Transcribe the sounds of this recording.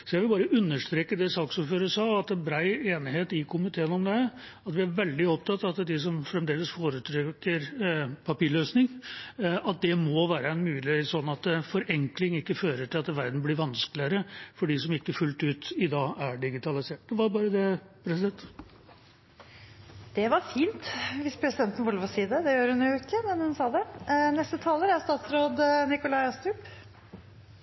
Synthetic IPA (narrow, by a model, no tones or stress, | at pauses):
sɔjæʋɪlbɑːɾəʔʉnːəʂt̪ɾeːkːəd̪ɛsɑːksuːɾføːɾəsɑːɑt̪bɾæɪeːnɪɦeːt̪ɪkʰʊmɪt̪ʰeːənɔmd̪ɛ | ɑt̪ʋɪæɾʋɛld̪ɪɔp̚t̪ʰɑt̪ːɑt̪d̪ɪs̬ɔmfɾɛmd̪eːləsfoːɾət̪ʰɾɛkːəɾpʰɑpiːɭøːsnɪŋ | ɑt̪̚d̪ɛmɔʋæːɾəɛnmʉːlɪhesɔnːɑt̪fɔɾʔɛŋklɪŋɪkːəføːɾəʈɪlɑt̪ʋæɾd̪n̩blɪɾʋɑnskəlɪəɾəfɔɖiːsɔmɪkːəfʉlt̪ʉːt̪ɪd̪ɑːæɖɪɡɪt̪ʰɑlɪseːʈd̪ɛʋɑbɑːɾəd̪ɛ | pʰɾɛsɪd̪ɛnt̪ | d̪̥ɛʋɑɾfiːnt̪ʋɪspʰɾɛsɪd̪ɛnt̪n̩ʋʊlʋɔsiːd̪əd̪ɛjøːɾhʉnjʊɪkːəmɛnhʉnsɑːd̪ɛnɛst̪ət̪ʰɑːləɾæɾst̪ɑːt̪sɾoːd̪nɪkʊlɑɪɑst̪ɾʉp